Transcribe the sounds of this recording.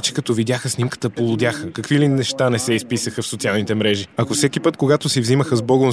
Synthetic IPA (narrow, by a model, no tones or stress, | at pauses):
t͡ʃɛ̥kɐt̪ɔvid̪ʲjaxəsnimkə̥t̪əpolˠʊd̪ʲjaxəkɐkvilinɛʃt̪anɛsɛispisəxəfsot̪ialˠnit̪ɛmɾɛʒiɐkofsɛkipət̪koɡat̪ʊsivziməxəzbɔɡo